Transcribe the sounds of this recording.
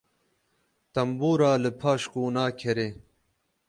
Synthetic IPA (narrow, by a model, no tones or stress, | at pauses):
t̪ɐmbuːɾaːlɨpʰaːɕkuːnaːkʰeɾe